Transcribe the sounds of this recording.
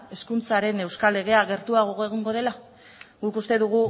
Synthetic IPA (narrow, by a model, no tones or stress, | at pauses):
e̞skunt͡saɾe̞ne̞wskale̞ɣ̞e̞aɣ̞e̞ɾt̪uaɣoɣoeɣuŋɡo̞ð̞e̞la | ɣukust̪e̞ðuɣ̞u